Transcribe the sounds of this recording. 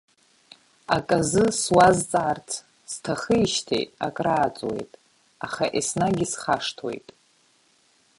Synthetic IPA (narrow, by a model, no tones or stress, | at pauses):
akʼazɨswazt͡sʼaːrt͡sʰ | stʰaχəjʃtʰḛjtʼa̰kʼraːt͡sʼwe̞̰jtʼ | aχaʔisnaɡʲɪsχaʂtʰwḛjtʼ